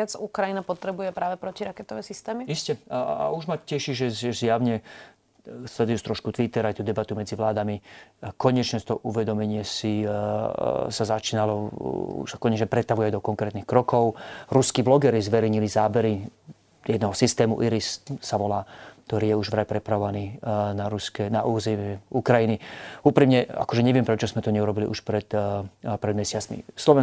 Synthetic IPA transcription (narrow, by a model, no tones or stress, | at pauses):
ad͡zukɾajinapɔt̪ɾɛbujɛpɾaːʋɛpɾɔciɾakɛt̪ɔʋɛsist̪ɛːmiiscɛa̰uʒmacɛʃiʒɛzɛzjaʊɲɛ | sʎɛd̪ujust̪ɾɔʃkut̪ʋit̪ɛɾajt̪uːd̪ɛbat̪umɛd͡ziʋlaːd̪amikɔɲɛt͡ʃɲɛst̪ɔʔuʋɛd̪ɔmɛɲɪɛsi | sazat͡ʃiːnalɔṵʃsakɔɲɛt͡ʃɲɛpɾɛt̪aʋujajd̪ɔkɔŋkɾɛːt̪nixkɾɔkɔʊɾuskiːblɔɡɛɾizʋɛɾɛɲilizaːbɛɾi | jɛd̪nɛːɦɔsist̪ɛːmuʔiɾisːaʋɔlaːkt̪ɔɾiːjɛuʒʋɾapɾɛpɾaʋɔʋaniːnaɾuskɛnaʔuːzɛmɛukɾajiniuːpɾimɲɛa̰kɔʒɛɲɛʋɪɛmpɾɛt͡ʃɔzmɛt̪ɔɲɛuɾɔbilḭʔuʃpɾɛt̪pɾɛd̪mɛsɪat͡smḭslɔʋɛ